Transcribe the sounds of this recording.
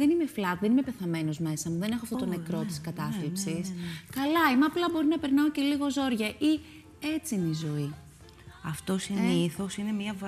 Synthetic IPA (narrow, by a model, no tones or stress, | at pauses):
ðe̞nime̞flɐt̪ðenime̞pe̞θɐme̞no̞zme̞sɐmuðe̞ne̞xoɐft̪ot̪ne̞kɾo̞t̪i̥skɐt̪ɐfθipsiskɐlɐimɐːplɐbo̞ɾinɐpe̞ɾnɐoce̞liɣo̞zo̞ɾʝɐʔi | e̞t͡sinizo̞i | ɐft̪o̞siniθo̞sine̞mɐv